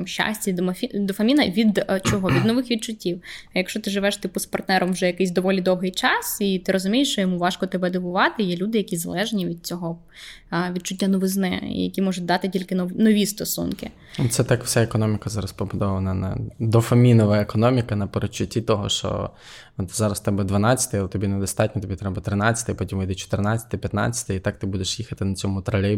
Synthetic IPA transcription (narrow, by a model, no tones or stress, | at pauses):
mʃa̰sʲtʲid̪ɔmɐfʲid̪ɔfɐmʲinɐʋʲid̪t͡ʃɔɦɔʋʲid̪nɔʋɪxʋʲid̪̚t͡ʃʊtʲːiwjɐkʃt͡ʃɔt̪ɪʒɪʋɛʃt̪ɪpʊspɐrt̪nɛɾɔmwʒɛjɐkɪjs̬ʲd̪ɔʋɔlʲid̪ɔwɦɪjt͡ʃɑsit̪ɪɾɔzʊmʲijɪʂt͡ʃɔjɔmuʋɑʃkɔt̪ɛbɛd̪ɔbʊʋɑt̪ɪjɛlʲud̪ɪjɐkʲizɐlˠɛʒnʲiʋʲid̪̚t͡sʲɔɦɔ | ʋʲid̪̚t͡ʃʊtʲːanɔʋɪznɛḭjɐ̰kʲimɔʒʊd̪ɑt̪ɪtʲilʲkɪnnɔʋʲist̪ɔsṵnkɪ̰ | ɔt̪sɛt̪ɑkw̥sʲaekɔnɔmʲikɐzɑɾɐspɔbʊd̪ɔʋɐnɐnɐ̰d̪ɔfɐmʲinɔʋɐekɔnɔmʲikɐnɐpeɾɔt͡ʃːʊtʲːit̪ɔɦɔ̰ʃt͡ʃɔ̰ | t̪zɑɾɐst̪ɛbɛd̪ʋɐnɑt͡sʲːɐ̥t̪ɪjɐlˠt̪ɔbʲinɛd̪ɔst̪ɑt̚ʲnʲɔt̪ɔbʲit̪ɾɛbɐt̪ɾɪnɑt͡sʲːɐ̥t̪ɪjɐpɔtʲimɐjd̪ɛt͡ʃɔ̥t̪ɪrnɑt͡sʲɐ̥t̪ɪpʲjɐt̪nɑ̰t͡sʲːɐ̥t̪ɪit̪ɑk̚t̪ɪbud̪eʃjixɐt̪ɪnɐt͡sʲɔmʊt̪ɾɐlʲɪ